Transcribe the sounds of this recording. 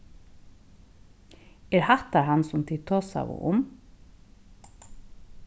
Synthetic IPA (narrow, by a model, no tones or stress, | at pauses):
ɛːɾhɑt̪ɑɾhɑnsʊmt̪ʰɪt̪ʰoːsa̰ʋʊ̰ʔʊm